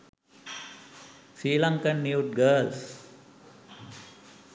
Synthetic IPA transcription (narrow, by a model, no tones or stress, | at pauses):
sɾiːlɐŋkənːjuːʈ̚ɡəːls